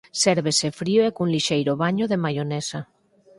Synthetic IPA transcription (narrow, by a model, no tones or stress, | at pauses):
seɾβesefɾioekunliʃejɾoβaɲoðemajonesa